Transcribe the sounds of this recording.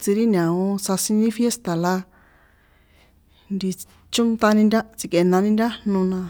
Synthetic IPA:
t͡si˧ɾi˦nã˨õ˧˦sa˧sĩ˧nĩ˦fje˦st̪a˨la˧ | nd̪i˧ | t͡ʃũ˦nt̪a˧nĩ˧nda˦t͡si˧ke˨˧nã˧nĩ˧nd̪ʲa˦nũ˧nã˧

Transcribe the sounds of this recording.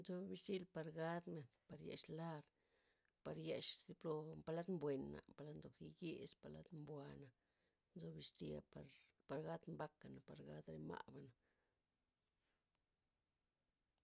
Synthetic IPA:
nzo˧bi˧st̪i˦lpa˧ɾɡa˦d̪me˨npa˧ɾjḛ˧ʂla˦ɾ | pa˧ɾje˧˨ʃsi˦plo˧pa˧la˦d̪mbwe˨nːa̰˨pa˨la˦nd̪o˧˨ki˧ɡe˦spa˨la̰˦d̪mbwʷa˧na˨ | nzo˧bi˧st̪i˧a̰˨pa˧ɾpa˨ɾɡa˦d̪mba˦kːa˨na˨pa˨ɾɡa˦d̪ɾe˧ma̰˦ba˨na˨

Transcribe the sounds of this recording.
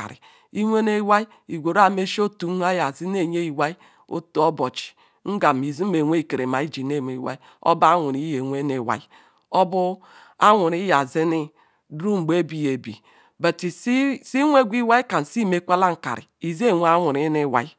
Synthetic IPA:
a̰˨ɾḭ˨ | i˦ŋʷe˦ne˦i˦wa˦i˦ | i˨ɡʷo˨ɾa˦˨me˦ʃo˦tu˦a˦ja˨zi˦n˦e˦˨ɲe˦i˨wa˦i˦ | o̰˦to˦bo˨t͡ʃi̥˨ | ŋ̩˦ɡa˨m˨i˨zi˦me˨ŋʷe˦i˨ke˨ɾe˨ma˨i˦d͡ʒi˨ne˦˨me˨˦wa̰˦i˦ | o̰˦ba˦ŋu˨ɾi˨˦je˨e˦ne˨wa̰˦i˦ | o˦bʊ˦ | a˦ŋʷu˨ɾi˦ja˨zi˦ni˦ | dɾu˦ŋ͡m̩˨ɡ͡be˦bi˨je˨bḭ˨ | ba˨ti˨ssi˦ŋʷe˦ɡʷi˦wa˦i˦ka˨n̩˨si˦˨me˦kʷa˦la˦ŋ̩˨ka̰˨ɾḭ˨i˨ze˦˨ŋʷ˦a˦ŋʷu˨ɾi˨˦ni˦wa̰˦i˦

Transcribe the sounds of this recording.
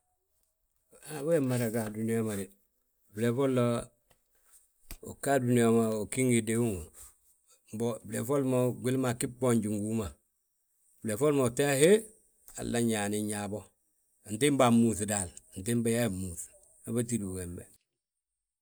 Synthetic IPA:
aba˦emːaɾa˨kaduniomaɾi | ble˨fo˦lːo | o̰˨ka˦duniomaoki˦ŋɡi˨de˦u˦ŋ | mboble˨fo˦lmoɡʷi˦lma˨ki˦pːoɲɟiŋɡuma˨ | ble˨fo˦lmo˨te˦a˦he˦ | a̰˨lːaɲa˨niɲabo | nti˦mba˨mu˨θdalnti˦mbaja˦muθ | a˨batidu˨ɡembḛ

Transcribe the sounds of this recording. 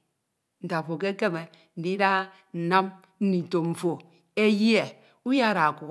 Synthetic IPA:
n̩˨ta˨fo˨k̬e˦ke˦me˨ | n̩˨di˦da˦ | n̩˨na˦m | n̩˦ni˨to˨m̩˨fo˨ | e˦ji˦e˨ | u˦ja˦˨ɾa˨ku˨

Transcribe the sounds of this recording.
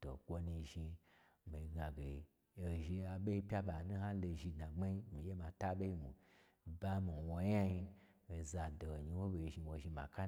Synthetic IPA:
to̰˨kʷo˧ni˧˨ʒi˧ | mi˨˧ɡa˨ɡe˨ | o˨ʒi˧a˧ɓe˦i˧pʲja˦ɓa˨nu˦ha˦lo˧ʒi˧dna˨ɡ͡be˦i˦mi˨je˦ma˧ta˦ɓe˦i˦mu˨ | ba˦mi˨wo˨˧ja˦ji˧ | mi˨˧za˨do˨o˨ɲi˧wo˦ɓe˧i˧˨ʒi˧wo˧ʒi˧ma̰˨ka˦

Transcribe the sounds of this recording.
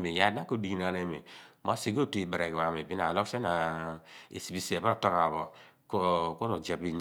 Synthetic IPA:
me˨ja˨da˦ko˦˨di˨ɡi˨na˨ne˦me˨ma˦se˨ɡo˦˨te˨be˨ɾe˨ki˨ma˨me˨bi˦na˨lo˦kse˦na˨ | ḛ˨si˨bi˦˨se˨ba˦˨to˦ka˨βo˨ | kko˦ɾo˨d͡ʒa˨bi˦ɲ

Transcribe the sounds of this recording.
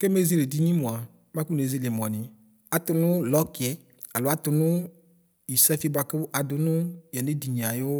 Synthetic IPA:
ke˦me˨˦zi˦le˨di˨ɲĩ˦mũ˨a˨ | mã˦ku˦n˨e˨zi˦le˨m˨ɔ˨nɪ̃˨ | a˨t̪ʊ˨nʊ̃˦lɔ˦ki˨ɛ˨ | a˨lʊ˨˦a˦t̪ʊ˨nʊ̃˦ | i˨sɛ˦fi˦ba˨ke˦bʊ˦ʔa˨dʊ˨nʊ̃˦jɛ˨ne˦di˨ɲĩ˨a˨jo˦

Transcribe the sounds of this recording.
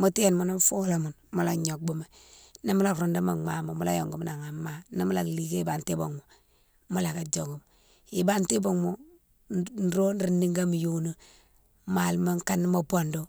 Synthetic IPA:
mu˦te˦˨nmu˨nu˦m˦fo˦la˨mu˨nmu˦la˨ɲo˨k̚bu˦me˨ | na˦mu˦la˦˨kɾu˦nda˦ma˨ma˨˦mo˨mu˦la˦jo˨ŋɡu˨˦m˦na˨ŋa˨mːa˨˦na˦mu˦la˨kli˦ke˦i˦ba˨nte˦bo˨ŋmo˨ | mu˦la˨ka˨d͡ʒo˨ŋu˨m | i˨ba˦nti˦bo˦ŋmo˦ | nɾo˦nɾi˦ni˦ŋɡa˦mu˨ju˦nu˦ | ma˨lma˦ŋka˦nː˦mo˦bo˨ndo˦

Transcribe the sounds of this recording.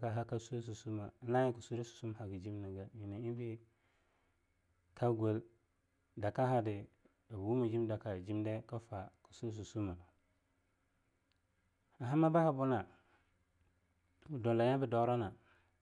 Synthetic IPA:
ka˨ɦa˦ka˦su˦ɾe˦s̬u˨su˦ma˨˦nla˦ji˦ku˨su˦ɾe˦su̥˨su˦m˦ha˨ɡi˨d͡ʒi˦mna˨ɡa˦˨ji˨na˨i˦bi˦ | ka˦ɡʷo˨l | da˨ka˦ɦa˦dɪ˨ | a˨u˦ma˨d͡ʒi˦mda˨ka˨d͡ʒi˦mdɛ˦ka˦fa˨ku˨su˦ɾe˦s̬u˨su˦ma˨ | a˨ɦa˦ma˦ba˦ha˨bʊ˦na˨ | u˨dɔ˨la˨ja˦bɪ˨dɔ˦ɾa˦na˨

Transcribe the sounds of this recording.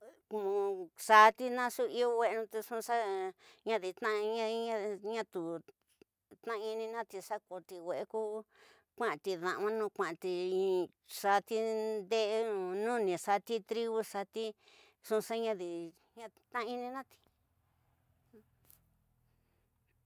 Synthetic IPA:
kũ˧˨˧sa˧t̪i˦nã˦su˦i˦o˧wʷe˦˧e˧nũ˧t̪e˧ʂũ˧ʂa˦ɲã˦˧ði˨˧t̪ã˦ʔɲã˦˧ã˦ɲã˦t̪u˨ | t̪ã˦ʔi˧nĩ˧nã˦t̪i˧ʂa˦ko˨t̪i˧we˧ʔe˧ku˦ | kʷã˦ʔt̪i˧ðã˧ʔã˦nũ˧kʷã˨ʔt̪i˧ | ʂa˧t̪i˦nd̪e˦ʔũ˧nũː˦nĩ˨sa˧˦t̪i˦t̪ɾi˦βu˦sa˧˦t̪i˦ | ʂũ˧ʂa˦ɲã˦˧ði˨ | ɲã˦˧t̪ã˦ʔi˧nĩ˧nã˦t̪i̥˧

